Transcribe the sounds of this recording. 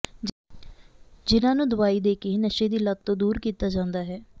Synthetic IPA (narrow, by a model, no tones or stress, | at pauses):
d͡ʒɪnãːnũːd̪ʊʋaːiːd̪eːkeinəʃeːd̪iːləd̪̚t̪õːd̪uːɾkiːt̪aːd͡ʒãːnd̪aːɦɛː